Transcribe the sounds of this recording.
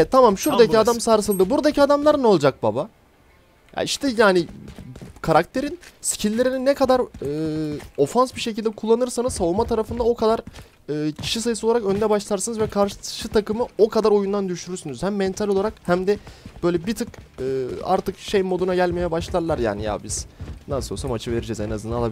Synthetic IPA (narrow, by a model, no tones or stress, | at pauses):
ɛt̪ʰːamamʃuɾd̪acʰiad̪amsaːɾɯsɯlˠd̪ɯbuɾd̪acʰiad̪amlˠaɾɯno̞lˠd͡ʒak̚ba̰ba | ja̰iʃt̪ʰɛjaːni | kʰaɾak̚t̪ʰe̞ɾinsi̥cʰilʲːe̞ɾininːɛkʰad̪aɾɯo̞fansbiʃe̞cilʲd̪ɛkʰulˠːanɯɾsanɯz̥saulmat̪ʰaɾafɯnd̪ao̞kʰad̪aɾ | ɯːcʰi̥ʃisajɯsɯoaɾakø̞nd̪ɛbaʃlˠaɾsɯnɯzvɛkʰaɾʃɯt̪ʰakɯmɯo̞kʰad̪aɾo̞jund̪and̪yʃyɾyɾsynyz̥hæmːɛnt̪ʰalʲoaɾakhæmd̪ɛb̥øjlʲɛbit̪ʰɯkɯːa̰ɾt̪ʰɯkʃejnmo̞d̪unaɟælʲmejɛbaʃlˠaɾlˠaɾja̰ːnḭja̰biz̥nasosamat͡ʃʰɯveɾid͡ʒizɛnazɯnalˠabi